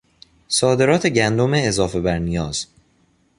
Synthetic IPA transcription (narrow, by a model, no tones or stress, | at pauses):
sɒːd̪e̞ɾɒːt̪ʰe̞ɟænd̪o̞meːzɒːfe̞bæɾnijɒːz̥